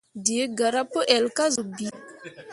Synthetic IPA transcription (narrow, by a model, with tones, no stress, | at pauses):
di˨e˦ɡa˨ɾa˦pə˦ʔɛ˨lka˦zu˨bi˨